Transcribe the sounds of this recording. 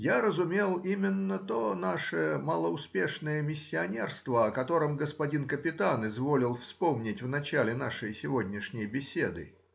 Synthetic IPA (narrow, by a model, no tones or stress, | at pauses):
jaɾəzʊmʲe̞lˠimʲɪnːət̪onaʂɨməlˠəʊspʲe̞ʂnəjəmʲɪsʲːɪɐnʲe̞rst̪vəɐkɐt̪o̞ɾɨmɡəspɐdʲinkəpʲɪt̪anɪzvo̞lʲɪlˠfspo̞mnʲɪtʲvnɐt͡ɕælʲɪn̪aʂɨjsʲɪvo̞dʲnʲɪʂnʲɪjbʲɪsʲe̞d̪ɨ̰